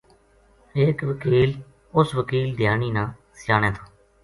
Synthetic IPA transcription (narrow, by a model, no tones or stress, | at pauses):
ekʋəkiːl | ʊsʋəkiːld̪jaːniːnãː | sɪjaːñeːt̪ʰḁː